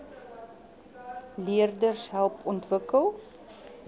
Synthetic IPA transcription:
liərdərsɦælˠpɔntvəkəlˠ

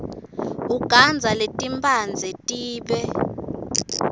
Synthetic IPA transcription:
uɡ̥ʱand͡zʱaletʼimpʰʼand͡zʱɛtʼiːɓɛ

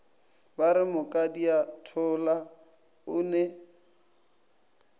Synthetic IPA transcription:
baɾɪmʊkʼadiatʰʊla | ʊnɛ

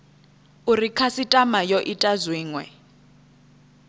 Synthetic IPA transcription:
urikʰasitʼamajɔʔitʼazwiːŋwɛ̰

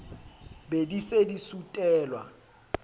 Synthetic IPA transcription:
bedisedisutʼɛːlwa̰

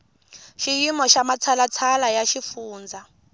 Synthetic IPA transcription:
ʃijimɔʃamat͡sʰalat͡sʰalajaʃifuːnd͡za

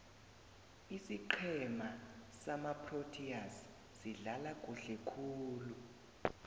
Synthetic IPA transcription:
isiǃʰɛmasamapʰrotʰias | siɮalakʼuɬɛkʰuːlu

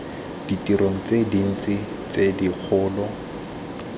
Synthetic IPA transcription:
d̥itiɾoŋ̩t͡sedin̩t͡sɪ | t͡sedik͡xʰʊːlɔ

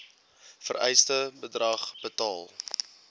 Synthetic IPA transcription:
fəɾɛ̰jstəbədrɐχb̥ətɑːlˠ

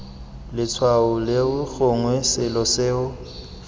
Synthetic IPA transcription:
lɪt͡sʰwaʊlɪʊɣʊŋwɛsɪlɔseːʊ

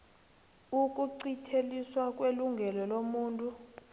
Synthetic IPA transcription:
uk̬ʼuǀitʰeliswak̬ʼweluŋɡʱɛlɔlomuːntʼu

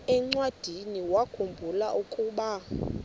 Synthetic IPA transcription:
ɛŋ͡ǀwad̥ʱiniwakʰumbʱulaʔukʼuːɓa

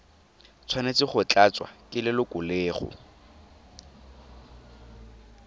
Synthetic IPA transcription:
t͡sʰwanet͡sɪχʊt͡ɬʼat͡swa̰kʼɪlɪlʊkʼʊlɪːχʊ̰

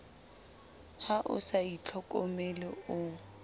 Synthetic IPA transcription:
haʔʊ̰sait͡ɬʰɔkʼɔmɛlɪʊ

